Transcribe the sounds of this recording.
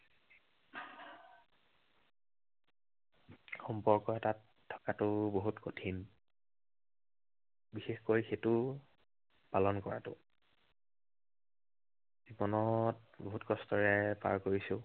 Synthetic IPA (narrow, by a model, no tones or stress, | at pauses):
xɔmpɔɹkɔɛtatʰːɔ̥katʊboɦutkotʰin | bixexkojxetʊ | palɔnkɔɹa̰tʊ̰ | z̥ibɔnɔt̚boɦutkɔstɔɹɛpa̰ɹkoɹisʊ